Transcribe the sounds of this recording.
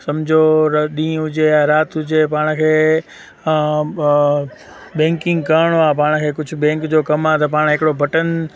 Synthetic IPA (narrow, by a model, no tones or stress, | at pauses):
sɐmd͡ʑʱoɗĩːɦʊd͡ʑejaɾaːt̪ɦʊd͡ʑepaːɽ̃kʰeː | ɓɛ̃ːŋkɪ̃ŋɡkaːɽ̃oapaːɽ̃kʰeːkʊd͡ʑʱʊbɛ̃ːŋkd͡ʑoːkɐmat̪ʰɐpaːɽ̃ɦɪkɪɽobʱɐʈən